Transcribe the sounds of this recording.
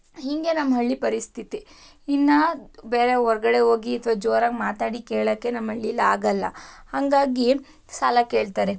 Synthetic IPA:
hiŋɡe̞nɐmːɦɐɭːipɐɾist̪ʰit̪iː | nːɐbeːɾeɦɔɾɐɡɐɽe̞ɦoːɡiɐt̪ʰʋaːd͡ʒoːɾaɡmaːt̪aːɽikeːɭɐːkːe̞nɐmːɦɐɭːilaːɡɐlːɐ̰hɐŋɡaːɡi | sɐlɐke̞ːɭt̪aːɾe

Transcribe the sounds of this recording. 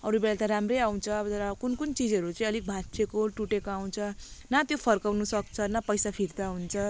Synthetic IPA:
ʌɾubeɭat̪ʌɾamrejaw̃t͡sʰʌt̪ʌɾʌkunkunt͡sid͡zʌɾut͡sʌ̃ĩʌlik̚bʱatsekoʈuʈekoaw̃t͡sʰʌnat̪jopʰʌrkawnusʌk̚t͡sʰʌnapʌjsapʰird̪aɦunt͡sʰʌ

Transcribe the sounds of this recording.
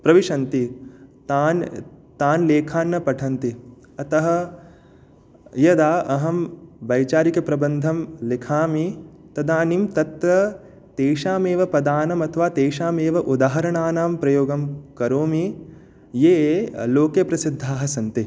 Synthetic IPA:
pɾɐʋiʂɐnt̪it̪aːnt̪aːnleːkʰaːnːɐpɐʈʰɐnt̪i | ɐt̪ɐɦɐ̆ | jɐd̪aːʔɐɦɐmbɐjt͡ʃaːɾikɐpɾɐbɐnd̪ʱɐmlikʰaːmit̪ɐd̪aːnimt̪ɐt̪ʋɐ | t̪eːʃaːmeːʋɐpɐd̪aːnɐmɐt̪ʰɐʋaːt̪eːʃaːmeːʋɐʔud̪aːɦɐɾɐɳaːnaːmpɾɐjoːɡɐmkɐɾoːmi | jeːloːkeːpɾɐsid̪ʱːaːɦɐsɐnt̪i

